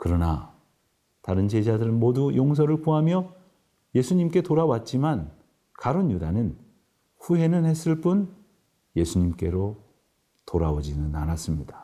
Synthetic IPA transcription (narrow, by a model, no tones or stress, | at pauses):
kɯɾʌna | taɾɯnt͡ɕe̞d͡ʑadɯɾɯnmodujoŋs̬ʰʌɾɯɭpoɦamjʌ | je̞sʰuɲimk͈e̞toɾawat̚t͡ɕ͈iman | kaɾonjudanɯn | ɸuɦe̞nɯnhe̞s͈ɯɭp͈un | je̞sʰuɲimk͈e̞ɾo | toɾaod͡ʑinɯnanas͈ɯmɲidḁ